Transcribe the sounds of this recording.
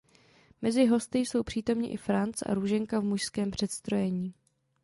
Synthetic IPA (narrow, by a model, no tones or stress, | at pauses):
mɛzɪɦo̞st̪ɪjso̞wpr̝̥iːt̪o̞mɲɪ̰ʔɪfɾant͡sʔa̰ɾuːʒɛŋkavmuʃskɛːmpr̥ɛt̪st̪ɾo̞jɛɲiː